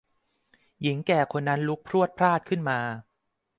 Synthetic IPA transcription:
ji˩˦ŋkɛː˨˩kʰo˧nːa˦˥nlu˦˥k̚pʰɾu˥˩ət̪̚pʰɾaː˥˩t̪̚kʰɯ˥˩nmaː˧

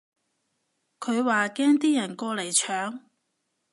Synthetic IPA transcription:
kʰɵ˨˧ɥwaː˨kɛː˥ŋt̪iː˥jɐ˨˩nkɔː˧le˨˩jt͡ʃʰœː˨˧˥ŋ

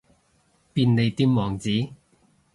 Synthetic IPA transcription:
piː˧nne˨˧jt̪iː˧˥mmɔː˨˩ŋt͡siː˨˥

